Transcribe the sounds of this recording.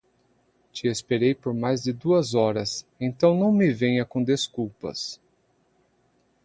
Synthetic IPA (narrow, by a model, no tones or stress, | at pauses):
t͡ʃɪespeɾejpoɾmajzd͡ʒɪd̪uɐzɔɾɐsẽnt̪ɐ̃w̃nɐ̃w̃mɪvẽɲɐkõd̪eskuwpɐ̰s